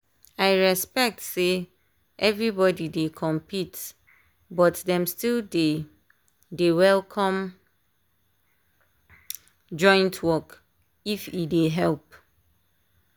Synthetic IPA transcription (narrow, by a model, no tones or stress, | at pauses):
aɪɹɛspɛk̚tse | ʔɛvɹibɔdidekʰɔ̃mpʰit | bɔtdɛ̃mstilde | dewɛlkʰɔ̃m | d͡ʒɔ̃ɪ̃ntʰwɔk | ifideɦɛlp